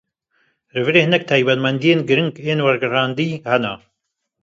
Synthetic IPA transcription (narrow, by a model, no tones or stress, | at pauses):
rɨvɨɾeːhnɛk̚t̪ʰaːjbɐd̪mɐnd̪ijeːnɡɨɾɨŋɡeːnwɐɾɡɨraːnd̪iːhɐna